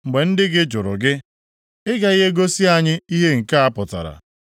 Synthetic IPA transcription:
ŋ͡m̩˨ɡ͡be˨n̩˦dɪ˦ɡɪ˦d͡ʒʊ˨ɾʊ̰˨ɡɪ˦ | ɪ˦ɡa˨˦i˦ɦe˦ɡo˦si˦a˨ɲɪ˦i˦ɦe˦ŋ̩˨ka˦a˦pʊ˨ta̰˨ɾa̰˨

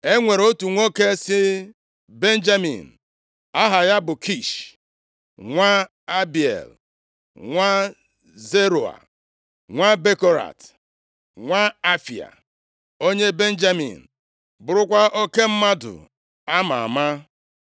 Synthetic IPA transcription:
e˦ŋʷe˨ɾo˦tu˨ŋʷo˦ke˦sɪ˦ | be˦n̩˦d͡ʒa˦mḭ˨n̩˨ | a˦ɦa˨ja˦bʊ˨kʰi˦˨ʃ | ŋʷa˦ | a˦bi˨ḛ˨l | ŋʷa˦ | ze˦ɾo˨a̰˨ | ŋʷa˦be˦ko˦ɾa̰˨t | ŋʷa˦a˦fi˨a̰˨ | o˦ɲe˦be˦n̩˦d͡ʒa˦mḭ˨n̩˨ | bʊ˨ɾʊ˦kʷa˦ʔo˦ke˦m̩˦ma˦dʊ̰˨ | a˦ma˨a̰˨ma˦

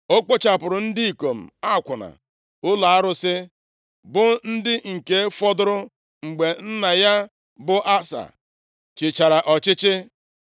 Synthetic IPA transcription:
o˦k͡po˦t͡ʃa˨pʊ˨ɾʊ˨n̩˦dɪ˦i˨ko˨m̩˨a˦˨kʷʊ˨na̰˨ | ʊ˦la˨a˦ɾʊ˦sɪ˦ | bʊ˦n̩˦dɪ˦ŋ̩˨ke˦fɔ˦dʊ˦ɾʊ˦ | ŋ͡m̩˨ɡ͡be˨n̩˦na˨ja˦ | bʊ˦ʔa˦sa̰˨ | t͡ʃɪ˨t͡ʃa˨ɾa˨ʔɔ˨t͡ʃɪ˦t͡ʃɪ˦

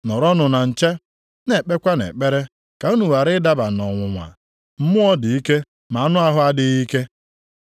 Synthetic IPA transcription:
nɔ˨ɾɔ˦nʊ˨na˨n̩˨t͡ʃe˦ | ne˨k͡pe˦kʷa˦nḛ˨k͡pe˦ɾe˦ | ka˨u˦nu˨wa˨ɾɪ˦da˦ba˨nɔ˨ŋʷʊ˨ŋʷa̰˨ | m̩˦mʊ˦ɔ˦dɪ˨i˦ke˦ | ma˨a˦nʊ˦a˦ɦʊ˦a˦dɪ˦ɣi˦ke˦

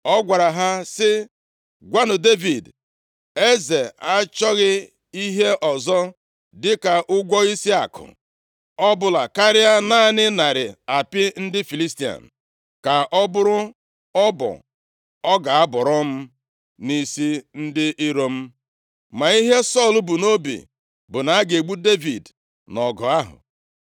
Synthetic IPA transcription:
ɔ˦ɡʷa˨ɾa˨ɦa˦sɪ˦ | ɡʷa˦nʊ˨de˦vi˨d | e˦ze˨a˦t͡ʃɔ˦ɣɪ˦ | i˦ɦe˦ʔɔ˨zɔ˦ | dɪ˦ka˨ʔʊ˦ɡʷɔ˦i˦si˦a˨kʊ̰˨ | ɔ˦bʊ˨la˨ka˦ɾɪ˦a˦na˦˨nɪ˦na˨ɾɪ̰˨a˨pɪ˦n̩˦dɪ˦fi˨li˦sti˨a̰˨n̩˨ | ka˨ʔɔ˦bʊ˦ɾʊ˦ | ɔ˦bɔ̰˨ | ɔ˦ɡa˨a˦bɔ˨ɾɔ˦m̩˦ | ni˦si˦n̩˦dɪ˦ʔɪ˦ɾo˦m̩˦ | ma˨i˦ɦe˦sɔ˦˨lʊ˨bʊ˨no˦bḭ˨ | bʊ˨na˨a˦ɡe˨ɡ͡bu˦de˦vi˨d | nɔ˨ɡɔ˨a˦ɦʊ̰˨

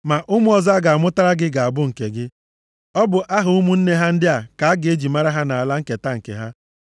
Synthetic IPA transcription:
ma˨ʔʊ˦mʊ˦ɔ˨za˦ɡa˨a˨mʊ˦ta˦ɾa˦ɡɪ˦ɡa˨a˨bʊ˦ŋ̩˨ke˨ɡɪ˦ | ɔ˦bʊ˨ʔa˦ɦʊ˨u˦mu˦n̩˦ne˦ɦa˦n̩˦dɪ˦a˨ka˨a˦ɡɪ˨e˦d͡ʒi˨ma˦ɾa˦ɦa˦na˨a˨la˦ŋ̩˦ke˨ta˦ŋ̩˨kḛ˨ɦa˦

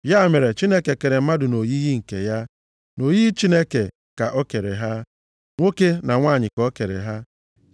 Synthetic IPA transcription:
ja˦˨me˨ɾe˨t͡ʃi˦ne˦ke˨ke˨ɾe˨m̩˦ma˦dʊ˨no˨ji˦ji˦ŋ̩˨ke˨ja˦ | no˨ji˦t͡ʃi˦ne˦ke˨ | ka˨ʔo˦ke˨ɾḛ˨ɦa˦ | ŋʷo˦ke˦na˨ŋʷaː˦˨ɲɪ˨kɔɔ˦ke˨ɾḛ˨ɦa˦

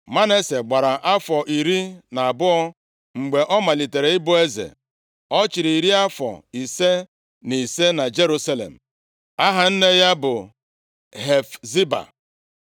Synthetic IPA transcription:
ma˦ne˦se˨ɡ͡ba˨ɾa˨ʔa˦fɔ˨ʔi˨ɾi˦na˨a˨bʊ˦ɔ˦ | ŋ͡m̩˨ɡ͡be˨ʔɔ˦ma˨li˨te˨ɾe˨ɪ˦bʊ˦e˦zḛ˨ | ɔ˦t͡ʃɪ˨ɾi˨i˨ɾi˦a˦fɔ̰˨i˨se˦ | ni˨se˦na˨d͡ʒe˦ɾu˦sa˦lḛ˨m̩˨ | a˦ɦa˨n̩˦ne˦ja˦bʊ˨ | ɦe˨fzi˦ba̰˨

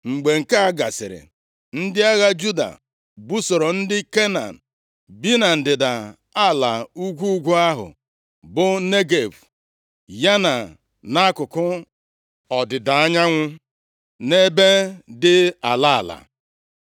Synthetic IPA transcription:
ŋ͡m̩˨ɡ͡be˨ŋ̩˨ka˦a˦ɡa˨sɪ̰˨ɾɪ̰˨ | n̩˦dɪ˦a˦ɣa˦d͡ʒu˦da̰˨ | bu˦so˨ɾɔ˨n̩˦dɪ˦ke˦na̰˨n̩˨ | bi˦na˨n̩˨dɪ˨da˨ | a˦˨la˨u˦ɡʷu˦u˦ɡʷu˦a˦ɦʊ̰˨ | bʊ˦ne˦ɡe˨bu˨ | ja˦na˨ | na˦kʊ˨kʊ˦ | ɔ˨dɪ˨da˨a˦ɲa˦ŋʷʊ˦ | ne˦be˦dɪ˦a˨la˦a̰˨la̰˨

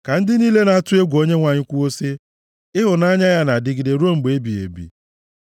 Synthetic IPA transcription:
ka˨n̩˦dɪ˦niː˦le˦na˨tʊ˦e˦ɡʷo˦ɲe˦ŋʷa˨ɲɪ˦kʷu˦o˦si˦ | ɪ˦ɦʊ˨na˦ɲa˦ja˦na˨dɪ˦ɡɪ˨de˨ɾu˦o˦˨ŋ͡m̩˨ɡ͡be˨e˦bi˨ḛ˨bḭ˨

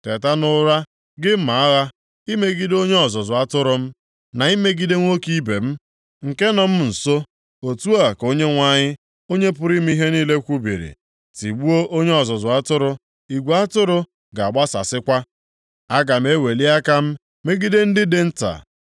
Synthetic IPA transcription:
te˨ta˦nʊ˦ɾa˦ | ɡɪ˦m̩˦ma˨a˦ɣa˦ | i˦me˦ɡi˦do˦ɲe˦ɔ˨zɔ˨zʊ˨a˦tʊ˦ɾʊ˨m̩˦ | na˨i˦me˦ɡi˦de˦ŋʷo˦ki˦be˨m̩˦ | ŋ̩˨ke˦nɔ˨m̩˦n̩˨so˦ | o˨tu˦a˨ko˦ɲe˦ŋʷa˦ɲɪ˦ | o˦ɲe˦pʊ˦ɾi˦m̩˦i˦ɦe˦niː˦le˦kʷu˦bḭ˨ɾḭ˨ | ti˨ɡ͡bu˦o˦ʔo˦ɲe˦ɔ˨zɔ˨zʊ˨a˦tʊ˦ɾʊ˦ | i˨ɡʷu˨a˦tʊ˦ɾʊ˦ | ɡa˨a˨ɡ͡ba˦sa̰˨sɪ˦kʷa˦ | a˦ɡa˨m̩˦e˦we˨li˦a˦ka˦m̩˦ | me˦ɡi˦de˦n̩˦dɪ˦de˨n̩˦ta̰˨

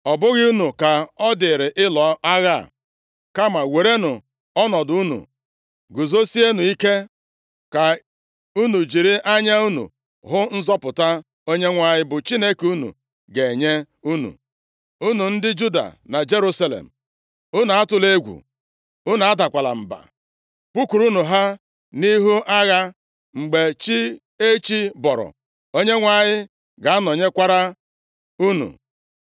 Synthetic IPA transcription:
ɔ˨bʊ˦ɣɪ˦u˦nu˨ka˨ɔ˦dɪ˨ɾɪ˨ʔɪ˦lɔ˨a˦ɣa˦˨ | ka˦ma˨we˨ɾe˦nu˨ | ɔ˦nɔ˨dʊ˨u˦nṵ˨ | ɡu˨zo˦si˦e˦nu˨i˦ke˦ | ka˨ | u˦nu˨d͡ʒi˨ɾi˦ʔa˦ɲa˦u˦nṵ˨ | ɦʊ˦n̩˦zɔ˦pʊ˨ta˦ | o˦ɲe˦ŋʷa˦˨ɲɪ˦bʊ˨t͡ʃi˦ne˦ku˦nṵ˨ | ɡe˨e˨ɲe˦ | u˦nṵ˨ | u˦nu˨n̩˦dɪ˦d͡ʒu˦da̰˨na˨d͡ʒe˦ɾu˦sa˦lḛ˨m̩˨ | u˦na˨a˦tʊ˨le˦ɡʷṵ˨ | ʊ˦n˨a˦da˨kʷa˨la̰˨m̩˨ba̰˨ | pu˦ku˨ɾu˦nu˨ɦa˦ | ni˦ɦu˦ʔa˦ɣa˦ | ŋ͡m̩˨ɡ͡be˨t͡ʃi˦ | e˦t͡ʃi˦bɔ˨ɾɔ̰˨ | o˦ɲe˦ŋʷa˦˨ɲɪ˦ | ɡa˨a˦nɔ˨ɲe˦kʷa˦ɾa˦ | u˦nṵ˨

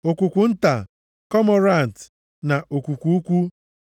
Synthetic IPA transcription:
o˨kʷu˨kʷu˨n̩˦ta̰˨ | kɔ˦mɔ˨ɾa˦˨n̩˨t | na˨o˨kʷu˨kʷu˦u˦kʷu˦

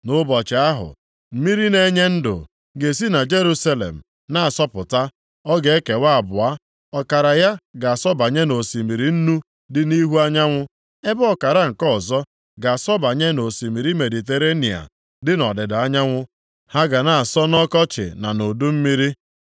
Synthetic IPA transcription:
nʊ˦bɔ˨t͡ʃɪ˨a˦ɦʊ̰˨ | m̩˦mi˦ɾi˦ne˦ɲe˦n̩˦dʊ̰˨ | ɡe˨s̬i˦na˨d͡ʒe˦ɾu˦sa˦lḛ˨m̩˨ | na˦a˨sɔ˦pʊ˨ta˦ | ɔ˦ɡe˦ke˨wa˦a˨bʊ˨a˦ | ɔ˨ka˨ɾa˨ja˦ɡa˨a˨sɔ˦ba˨ɲe˦no˨si˨mi˨ɾi˨n̩˦nu˦ | dɪ˦ni˦ɦu˦a˦ɲa˦ŋʷʊ˦ | e˦bɔ˨ka˨ɾa˦ŋ̩˨kɔ˦˨zɔ˦ | ɡa˨a˨sɔ˦ba˨ɲe˦no˨si˨mi˨ɾi˦me˨di˨t̬e˨ɾe˦ni˨a̰˨ | dɪ˦nɔ˨dɪ˨da˦ɲa˦ŋʷʊ˦ | ha˦ɡa˨na˨a˨sɔ˦nɔ˦kɔ˦t͡ʃɪ̰˨na˨no˨du˦m̩˦mi˦ɾi˦

